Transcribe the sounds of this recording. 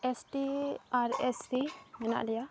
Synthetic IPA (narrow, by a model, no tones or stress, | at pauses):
ɛsʈiaɾɛspimɛna̰ʔlɛja